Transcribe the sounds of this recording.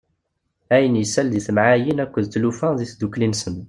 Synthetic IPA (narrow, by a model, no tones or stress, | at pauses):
æjənjəsːælðiθmʕajinækʷːəðt̪lufæðiθd̪uklinsən